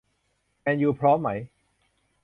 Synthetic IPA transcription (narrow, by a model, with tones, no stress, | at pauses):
ʔɛ˧njuː˧pʰɾɔː˦˥mːa˦˥j